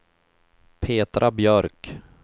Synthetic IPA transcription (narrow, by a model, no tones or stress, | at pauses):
pʰeːt̪ɾʔabjœɾk